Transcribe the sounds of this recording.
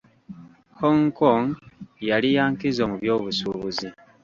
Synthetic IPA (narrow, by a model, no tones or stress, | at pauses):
hoŋkoŋjalijaːŋkizomuβjo̞ːβusuβuzi